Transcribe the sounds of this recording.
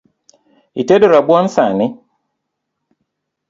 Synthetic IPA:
itedoɾabuansanɪ

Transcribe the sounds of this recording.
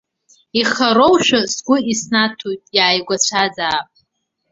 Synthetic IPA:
iχaɾowʃᶣasɡʷʊisnatʰojtʼjaːjɡʷat͡ɕʷʰad͡zaːpʼ

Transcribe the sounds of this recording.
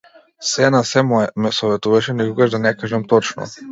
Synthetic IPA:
sɛnasɛmmɛsɔvɛt̪uvaʃɛnikɔɡaʒd̪anɛkaʒamt̪ɔt͡ʃnɔ̰

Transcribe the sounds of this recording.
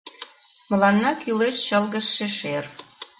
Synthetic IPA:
mə̆lɑnːɑkyleʃt͡ɕəlɣə̆ʃːeʃer

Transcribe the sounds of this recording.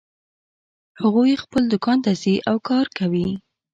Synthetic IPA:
haɣujexpəld̪ʊkɑnt̪aziʔawkɑɾkawi

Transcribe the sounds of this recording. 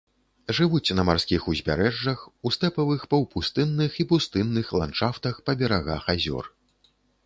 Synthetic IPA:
ʐɨvut͡sʲnɐmarsʲkʲixuzʲbʲaɾɛʐːɐxust̪ɛpɐvɨxpɐwpust̪ɨnːɨxipust̪ɨnːɨxlˠant͡ʂaft̪ɐxpɐbʲɛɾaɣa̰xazʲɔ̰r

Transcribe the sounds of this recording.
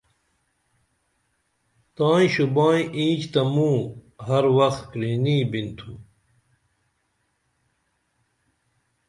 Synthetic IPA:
t̪aːĩɕubaːĩĩːt͡ɕt̪ɐmũːɦɐɾwɐxt̪kɾiːniːbint̪ʰu

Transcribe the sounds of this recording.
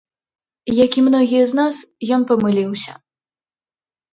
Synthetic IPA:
jakʲimnɔɣʲijɐznasjɔnpɐmɨlʲiwsʲɐ̰

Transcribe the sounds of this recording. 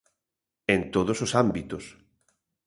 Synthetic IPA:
ẽnt̪oðososambit̪os

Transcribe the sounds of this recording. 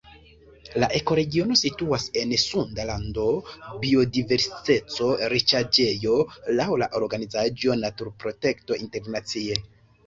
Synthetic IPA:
laʔe̞ko̞ɾe̞ɡio̞no̞situase̞nsundalando̞bio̞dive̞ɾsi̥tet͡so̞ɾit͡ʃad͡ʒe̞jo̞lawlaʔo̞ɾɡanizad͡ʒo̞natuɾpɾo̞te̞kto̞ʔinte̞ɾnat͡sie̞

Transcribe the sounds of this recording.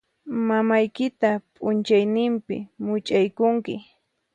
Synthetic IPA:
mamajkɪt̪apʼʊnt͡ʃajnɪmpɪ̰mʊt͡ʃʼajkʊŋkɪ

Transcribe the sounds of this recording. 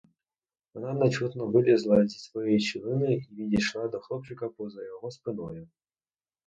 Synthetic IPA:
ɔnanɐt͡ɕut̪nɔbɨlʲɪzlˠazʲitʲsvɔjejt͡ɕilʲˠɨnɨivʲidʲɪʂlˠad̪ɔxlˠɔp̚t͡ɕɪkɐpɔzɐjɔɣɔspɨnɔ̰ju

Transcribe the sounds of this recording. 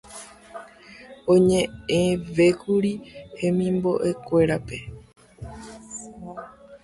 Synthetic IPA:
õɲẽ̞eʋe̞kuɾihẽ̞mĩmbo̞̰ʔe̞kʷe̞ɾape̞

